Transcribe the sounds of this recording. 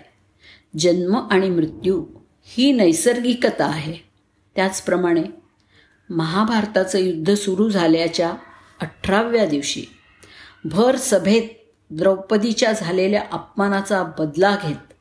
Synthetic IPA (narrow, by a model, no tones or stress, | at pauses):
d͡ʑənməʔaɽ̃imɾut̪juː | hiːnəjsəɾɡikət̪aːɦe | t̪jat͡spɾəmaɽ̃e | məɦabʱaɾt̪at͡səjud̪ʱːəsuɾuːd͡zʱaljat͡ɕja | əʈʰːɾaʋjad̪iʋɕḭː | bʱəɾsəbʱet̪̚ | d̪ɾəwpəd̪it͡ɕjad͡zʱaleljaʔap̚mañat͡sabəd̪laɡʱet̪̚